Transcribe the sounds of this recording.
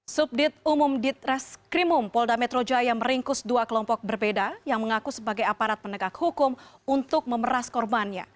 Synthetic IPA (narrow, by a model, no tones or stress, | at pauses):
sup̚dɪt̪̚umʊmdit̪̚ɾɛskɾimʊmpɔldamɛt̪ɾod͡ʒajaŋməɾiŋkʊsduakəlɔmpɔk̚bərbedajaŋməŋakusəbaɡajapaɾat̪̚pənəɡakhukʊmunt̪ʊk̚məməɾaskɔrbanɲa̰